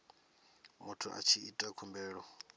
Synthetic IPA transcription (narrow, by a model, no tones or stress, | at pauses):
mutʰuʔa̰t͡ʃʰiitʼakʰumbɛːɺɔ